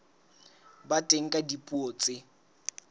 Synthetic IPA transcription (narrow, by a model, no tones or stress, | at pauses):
batʼeŋ̩kʼadipʼuoːt͡sʼɪ